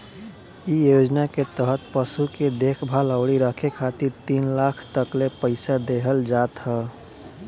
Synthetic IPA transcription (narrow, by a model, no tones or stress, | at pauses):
ijod͡ʒnaket̪əɦət̪̚pəsuked̪ekʰbʱaləʊɽiɾəkʰekʰat̪iɾt̪iːnlakʰt̪əklepəɪsad̪eɦəld͡ʒat̪ɦə